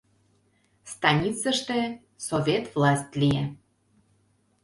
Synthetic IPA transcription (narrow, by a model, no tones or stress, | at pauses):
st̪ɑnʲit͡səʃt̪ĕ | sovʲet̪vlɑsʲt̪ʲlʲije